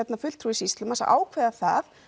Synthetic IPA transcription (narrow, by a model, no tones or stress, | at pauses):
ɛt̪nafʏl̥t̪ʰɾuːisist̪lʏmasa̰ʔa̰ːwkʰvɛːðaθað